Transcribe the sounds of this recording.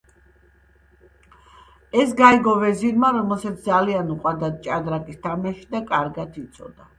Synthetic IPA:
ɛsɡaiɡɔvɛzinmaɾɔmɛlˠsat̪sʰd̪zalianuqʼwad̪at͡ʃʼad̪ɾakʼist̪ʰamaʃi̥d̪akʼaɾɡat̪ʰit̪sʼɔ̰d̪a

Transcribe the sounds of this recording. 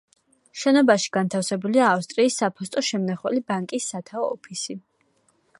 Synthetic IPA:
ʃɛnɔbaʃi̥ɡ̥ant̪ʰafsɛbuliaːfst̪ʼɾiːsːapʰɔst̪ʼɔʃɛmnaχwɛlibaŋkʼisːat̪ʰaɔ̰ːpʰisi

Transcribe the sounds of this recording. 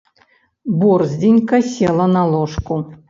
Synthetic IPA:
burzʲdʲinʲkɐsʲelˠɐnalˠoʂku

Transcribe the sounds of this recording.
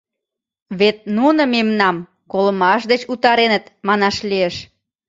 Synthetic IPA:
βet̪̚nunə̆memnɑm | koləmɑʃd̪et͡ɕut̪ɑɾenət̪mɑnɑʃlieʃ

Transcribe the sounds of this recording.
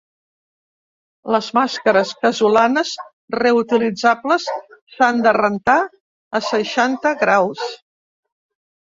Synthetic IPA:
ləzmaskəɾəskəzulanəs | reut̪ilid͡zabləsːand̪ərənt̪a | əsəʃant̪əɣɾaws

